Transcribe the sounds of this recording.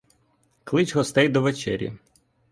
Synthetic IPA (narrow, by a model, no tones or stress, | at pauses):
klˠɪt͡ʃɦɔst̪ɛjd̪ɔʋet͡ʃɛ̰ɾʲḭ